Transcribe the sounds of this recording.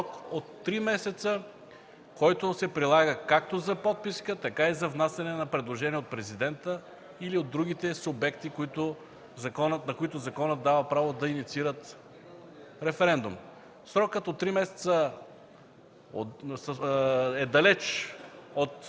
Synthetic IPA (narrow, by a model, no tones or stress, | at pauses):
ɔkot̪ːɾimɛsɛt̪sə | kɔjt̪ʊsɛpɾilˠaɡəkak̚t̪ozɐpɔt̪̚piskət̪ɐkaizɐvnasɐnɛnɐpɾɛd̪lˠoʒɛniɛot̪̚pɾɛzid̪ɛnt̪ə | iliod̪ːɾuɡit̪ɛsʊbɛkt̪ikoit̪ʊ | zɐkɔnət̪nɐkoit̪ʊzɐkɔnət̪̚d̪avɐpɾavod̪ɐinit̪siɾət̪ | ɾɛfɛɾɛnd̪um | sɾɔkət̪ot̪ːɾimɛsɛ̥t̪sə | os | ɛd̪ɐlɛt͡ʃ | ot̪